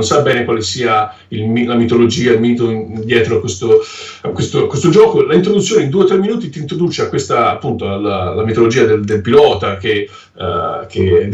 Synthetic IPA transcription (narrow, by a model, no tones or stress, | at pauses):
nsabːɛːnekwaːlesiːa | ilmilamit̪olod͡ʒiːailmiːt̪od̪jɛːt̪ɾoakwest̪o | akwest̪okwest̪od͡ʒɔːkolaint̪ɾod̪ut̪sːjoːneind̪uːeot̪ːɾemːinuːt̪it̪iːnt̪ɾod̪uːt͡ʃeakːwest̪aːpːunt̪oalalamit̪olod͡ʒiːad̪eld̪elpilɔːt̪ake | ke